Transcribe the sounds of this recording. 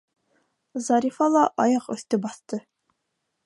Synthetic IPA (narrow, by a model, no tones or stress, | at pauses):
zɑɾʲifɑlˠɑʔɑjɑqɵ̰̆θt̪ɵbɑθt̪ɤ